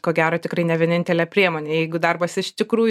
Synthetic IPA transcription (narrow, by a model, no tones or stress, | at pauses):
koːɡʲæːɾoːt̪ʲɪkrɐɪnʲɛʋʲiɛnʲɪnʲt̪ʲɛlʲɛpʲɾʲiɛmoːnʲeːjɛɪɡʊd̪ɐrbɐsɪʃt̪ʲɪkɾuːj